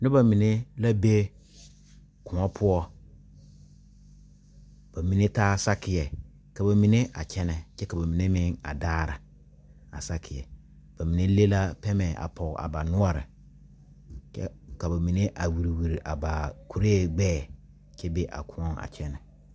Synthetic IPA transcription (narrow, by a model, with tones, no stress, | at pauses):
nʊ˦ba˨mĩ˨nẽ˦la˦be˦ | kʰʊ̃˨ɔ̃˦pʰʊ˦ɔ˦ | b̥a˨mĩ˨nẽ˦tʰaː˦˨sa˦kʰɪ˨jɛ˨ | ka˨ba˨mĩ˨nɪ̃˦ʔa˨t͡ɕʰɛ˦nɪ̃˨t͡ʃɛ˦ka˨ba˨mĩ˨nɪ̃˦mɪ̃˦a̰˨daː˦˨ɾɪ˨ | a̰˨sa˦kʰɪ˨jɛ̰˨ | b̥a˨mĩ˨nɪ̃˦le˦la˦pʰɛ˦mɛ̃˨ʔa̰˨pʰɔ˨a̰˨ba˨nʊ̃˦a˨ɾɪ̰˨ | t͡ʃɛ˦ka˨ba˨mĩ˨nɪ̃˦ʔa˨wi˨ɾi˨wu˨ɾʔa̰˨ba˨kʰu˨ɾeː˦˨ɡ͡bɛː˦˨˦ | t͡ʃʰɛ˦be˦ʔa̰˨kʰʊ̃˦˨˦ɔ̃˦a̰˨t͡ʃʰɛ˦nɪ̃˨